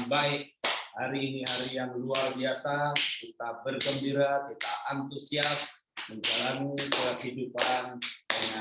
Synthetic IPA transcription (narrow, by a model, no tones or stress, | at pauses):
baɪk̚ha̰ɾiːniɦaɾijaŋluarbiasakit̪abərɡəmbiɾakit̪aant̪usias | məɲd͡ʒalanipəakhidupandəŋa